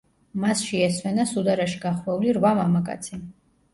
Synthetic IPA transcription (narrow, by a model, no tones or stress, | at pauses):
masʃiɛswɛnasud̪aɾaʃiɡaχwɛuliɾvamamakʼa̰t̪sʰi